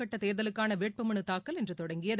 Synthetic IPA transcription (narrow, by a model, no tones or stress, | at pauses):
ɐʈːɐt̪eːðɐlɯkːaːnɐʋeːʈ̚pɐmɐɳɯt̪aːkːɐlɛndrɯt̪ɔɽɐŋɡɪjɐð